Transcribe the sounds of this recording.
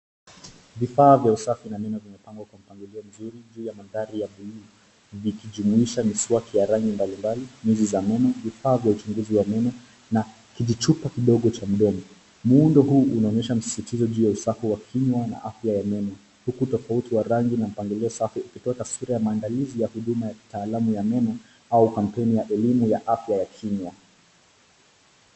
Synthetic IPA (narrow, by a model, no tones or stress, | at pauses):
vifaːvjausafinamɛmavimɛpaŋɡwakwam̩paŋɡiliɔm̩zuɾiʄuːjamandaɾijaɓulu | vikiʄumuiʃamiswakʰijaɾaŋɡimbalimbalimizizamɛmavifaːvjaut͡ʃuŋɡuziwamɛmɔ | na | kiʄit͡ʃupakiɗɔɠɔt͡ʃam̩ɗɔmɔ | muundɔɦuːʔunaɔɲɛʃam̩si̥sitizɔʄuːjausakuwakʰiɲwana̰ʔafjajamɛnɔ | hukutɔfautiwaɾaŋɡinam̩paŋɡilɛɔsafiukitɔatasuɾajamaːndalizijahuɗumajataːlamujamɛnɔ | aukam̩pɛnijaʔɛlimujaʔafjajakʰiɲwa